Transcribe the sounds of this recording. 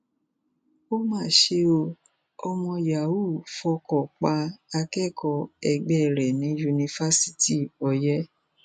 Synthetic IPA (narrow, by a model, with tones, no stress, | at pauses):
o˦mãː˦˨ʃe˧o˧ | ɔ˧mɔ̃˧ja˨wu˦˨fɔ˧kɔ˨k͡pa˧a˧kɛ˦˨kɔ˧ɛ˧ɡ͡bɛ˦˨ɾɛ˨nĩ˨˦ju˧nĩ˧fa˦si̥˦ti˦˨ɔ˧jɛ˦